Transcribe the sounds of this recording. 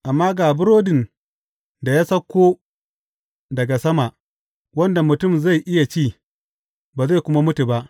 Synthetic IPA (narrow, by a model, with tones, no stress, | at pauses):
ʔa˨mːaː˦ɡaː˨bʊ˦ɾoː˦dɪ˨n | da˨jaː˦sɐ˦kʷːoː˦ | dɐ˨ɡa˨sɐ˦ma˨ʔ | wɐ˦nda˨mʊ˨tʊ˦˨mza˦˨jʔɪ˦ja˨t͡ʃiː˦˨ | baː˨za˦˨jkʷʊ˦ma˦mʊ˦tu˨ba˦ʔ